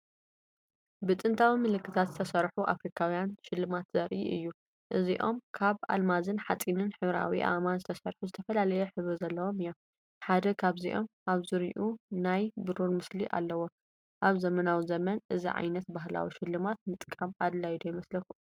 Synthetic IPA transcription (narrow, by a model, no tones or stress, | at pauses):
bɨt̪ʼɨnt̪ʰawimɨlɨkːɨt̪ʰat̪zɨt̪ʰɐsɐɾħuʔa̰fɾikʰawjanʃɪlːɨmat̪z̥ɐɾʔḭʔɨjːu | ʔɨziʔo̞mkʰaβa̰lmazɨnħat͡sʼinɨnħɨβɾa̰wiʔa̰manzɨt̪ʰɐsɐɾħuzɨt̪ʰɐfɐlalɐjɛħɨβɾɨzɐlːɐwo̞mɨjːom | ħad̪ɐkʰaβziʔo̞̰mʔaβzɨɾiʔunajbɨɾuɾmɨsliʔa̰lːɐwo | ʔaβzɐmɐnawizɐmɐnʔɨzḭʕa̰jnɐt̪baɦla̰wḭʃɪlːɨmat̪̚mɨt̪ʼkʼɐmad̪lajd̪ojɛmɐslɐku